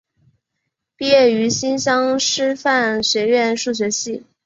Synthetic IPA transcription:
pi˥˧jɛ˥˩y˧˥ɕi˥nɕjɑ˥ŋʂɻ̩˥fa˥˩nɕɥɛ˧˥ɥɛ˥˧nʂu˥˩ɕ̬ɥɛ˧˥ɕi˥˩

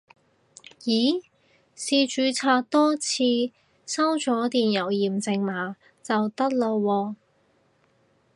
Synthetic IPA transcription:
jiː˨˥ | siː˧t͡ʃyː˨˧t͡sʰaː˧k̚t̪ɔː˥t͡sʰiː˧ | sɐ˥wt͡sɔː˨˥t̪iː˨njɐ˨˩wjiː˨mt͡sɪ˧ŋmaː˨˥ | t͡sɐ˨wt̪ɐ˥k̚lo˧wːɔː˧

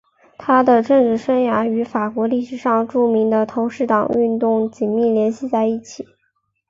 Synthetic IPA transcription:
t̪ʰa˥d̪ə˨ʈ͡ʂɤ˥˧ŋʈ͡ʂɻ̩˥˩ʂə˥ŋja˧˥y˧˥fa˨˩kwɔ˧˥li˥˩ʂɻ̩˨˩ʂɑ˥˧ŋʈ͡ʂu˥˩mi˧˥ŋd̪ə˧t̪ʰo˧˥ʊʂɻ̩˥˩t̪ɑ˨˩ŋy˥˧nt̪ʊ˥˩ŋt͡ɕi˨˩nmi˥˩ljɛ˧˥nɕi˥˧t͡sa˥˧ɪi˥˩t͡ɕʰi˨˩˦

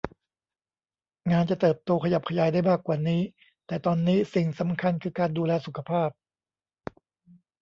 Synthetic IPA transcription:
ŋaː˧nt͡ɕa˨˩t̪ɤː˨˩p̚t̪oː˧kʰa˧ja˨˩p̚kʰa˧jaː˨˩˦jda˥˩jmaː˥˩kːwaː˨˩niː˦˥ | t̪ɛː˨˩t̪ɔː˧nːiː˦˥si˨˩ŋsa˩˦mkʰa˧nkʰɯː˧kaː˧nduː˧lɛː˧su˨˩˦kʰa˧pʰaː˥˩p̚

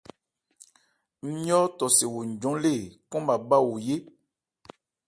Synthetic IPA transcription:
m̩˦i˦ɔ˦tɔ˨se˨wo˨ɲ̩˨d͡ʒɔ̃˨˦le˦˨kɔ̃˦ma˨ba˦wo˨je˦

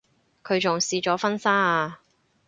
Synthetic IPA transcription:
kʰɵ˨˧ɥt͡sʊ˨ŋsiː˧t͡ʃɔː˨˥fɐ˥nsaː˥aː˧

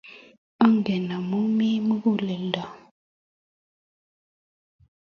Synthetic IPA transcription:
a˦ŋɡɛ˨na˨mu˦mi˦mu˦ɣu˦˨lɛ˨lda˨

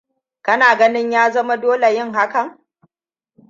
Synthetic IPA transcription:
kɐ˦naː˨ɡɐ˦nɪ˦ɲjaː˦zɐ˦ma˦doː˦le˨jɪ˦ŋɦa˦kɐ˨ŋ

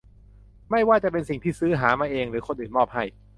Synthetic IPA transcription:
ma˥˩jwaː˥˩t͡ɕa˨˩pe˧nsi˨˩ŋt̪ʰiː˥˩sɯː˦˥ɦaː˩˦maː˧ʔeː˧ŋɾɯː˩˦kʰo˧nʔɯː˨˩nmɔː˥˩p̚ha˥˩j

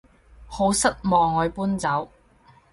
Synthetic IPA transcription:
ho˨˥wsɐ˥t̚mɔː˨ŋːɔː˨˧ɥpuː˥nt͡sɐ˨˥w

